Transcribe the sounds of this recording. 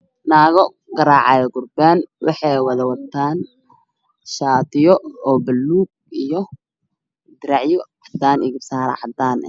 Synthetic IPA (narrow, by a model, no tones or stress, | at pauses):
naːɣɔ | ɡɐɾaːʕɑjɡʊrbɛːnwɑ̰ħɑjwɑðɐwɐt̪ʰːaːn | ʃaːt̪ʰɪjɔɔːbɐlːuːɡ̚ijɔ | d̪ɪɾaʕjɔʕɑd̪aːnɪɣɪbsaːɾɐ̰ʕɑd̪aːn